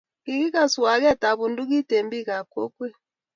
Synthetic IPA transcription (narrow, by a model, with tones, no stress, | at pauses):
ki˨˦ki˦ka˨su˨wa˨k̬ɛ˦ta˨βu˨ndu˦k̬i˦te˨mbi˦ka˨ko˦kwɛ˦